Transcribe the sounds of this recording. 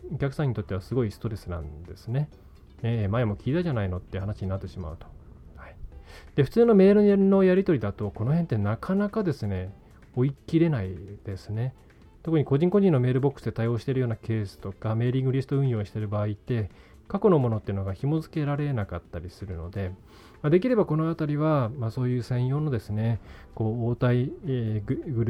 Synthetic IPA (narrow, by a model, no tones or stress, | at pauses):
o̞kʲakɯ̟̥sãɲ̟ːit̪o̞t̪ːe̞βasɨɡo̞isɨ̥t̪o̞ɾe̞sɨnã̰nd̪e̞sɨne̞ | emaemo̞kʲiːt̪aʑanaino̞t̪ːeɯhanaɕiɲ̟inat̪ːe̞ɕima̰ɯ̟t̪o̞̥haid̪̥e̞ɸɯ̟̥t͡sɨːno̞me̞ːɾɯ̟no̞jaɾʲit̪o̞ɾʲid̪at̪o̞ko̞no̞ɦe̞nt̪ːe̞nakʰanakad̪e̞sɨne̞ | o̞ikʲiɾe̞naid̪̥e̞sɨne̞ | t̪o̞kɯ̟ɲ̟iko̞ʑĩŋko̞ʑĩnːome̞ːɾɯbo̞kɯ̥sɨd̪e̞t̪ajo̞ːɕi̥t̪e̞ɾɯ̟joːnake̞ːsɨ̥t̪o̞kame̞ːɾʲĩŋɡɯ̟ɾʲisɨ̥t̪o̞ɯ̟̃ɰ̃jo̞ːɕi̥t̪e̞ɾɯ̟baːit̪ːe̞ | kakono̞mo̞no̞t̪ːeiɯ̟no̞ɡaçimo̞zɨ̥ke̞ɾaɾe̞nakat̪ːaɾʲisɨɾɯ̟no̞d̪e̞ | mad̪e̞kʲiɾe̞bako̞no̞at̪aɾʲiβ̞amaso̞ːjɯ̟ːsẽ̞ɰ̃jo̞ːnod̪e̞sɨne̞ko̞ːoːt̪ai | ɡɯɾ